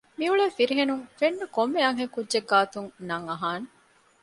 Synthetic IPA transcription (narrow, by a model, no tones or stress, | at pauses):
miuɭeːfiɾiɦenuŋfenːukomːeɐŋɦekudːʒeɡːaːt̪uŋnɐŋɐɦaːne